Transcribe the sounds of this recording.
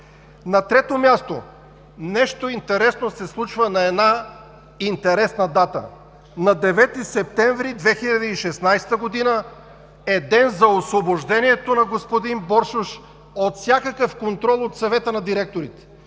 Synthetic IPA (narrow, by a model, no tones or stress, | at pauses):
nɐt̪ɾɛt̪omʲjast̪o̰ | nɛʃt̪oint̪ɛɾɛsnosɛslˠut͡ʃvənɐɛd̪na | int̪ɛɾɛsnɐd̪at̪ə̰ | nɐd̪ɛvɛt̪isɛp̚t̪ɛɱvɾid̪vɛxiʎʲɐd̪əiʃɛsnajst̪əɡod̪inə | ɛd̪ɛnzɐosvoboʒd̪ɛniɛt̪onɐɡospod̪inbɔɾʃʊʃ | ot̪sʲjakəkəfkont̪ɾɔlˠot̪sɐvɛt̪ənɐd̪iɾɛk̚t̪oɾit̪ɛ̥